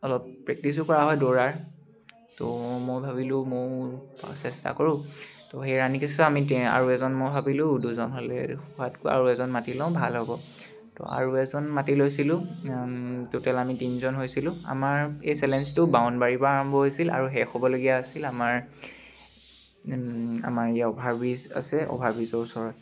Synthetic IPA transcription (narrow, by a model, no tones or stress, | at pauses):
ɔlɔppɹɛk̚tisʊkɔɹaɦɔjdɔɹaɹ | tɔmojbʱabilʊmo | sɛsta̰koɹʊ̃tɔxejɹanikistɔamia̰ɹuɛzɔnmojbʱabilʊ̃uduzɔnɦolɛ̰xuatkʊa̰ɹuɛzɔnmatilɔ̃ʊ̃bʱalɦɔbɔ | tɔ̰a̰ɹuɛzɔnmatilojsilʊ̃ | tutɛlamitinzɔnɦojsilʊ̃a̰maɹejsɛlɛnstʊbawnbaɹibɔaɹɔmbɔɦojsila̰ɹuɦɛxɔbɔloɡijaːsilamaɹ | a̰maɹejaɔbʱaɹbiza̰sɛʔɔ̰bʱaɹbizɔɹusɔɹɔt